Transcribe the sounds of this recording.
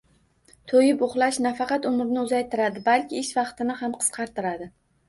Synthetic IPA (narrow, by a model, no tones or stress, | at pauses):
t̪ʰojɪpoχlˠaʃnafɑqɑt̪ʊmɪɾnɪʊzajt̪ɪɾad̪ɪbalkʲʰɪɪʃvɑqt̪ɪnɪhamqʰɨ̥sqʰɑɾt̪ɪɾad̪ɪ